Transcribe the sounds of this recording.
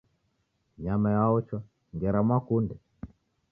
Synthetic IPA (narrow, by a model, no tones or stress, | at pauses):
ɲamajaɔt͡ʃwa | ŋɡɛɾamwakundɛ